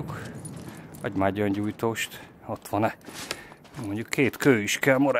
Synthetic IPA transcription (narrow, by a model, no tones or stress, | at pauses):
uk | ɒɟmaːɟɒɲɟuːjt̪oːʃt̪ | ot̪ʋɒnɛ | moɲɟukʰːeːt̪køːiʃkɛlmoɾ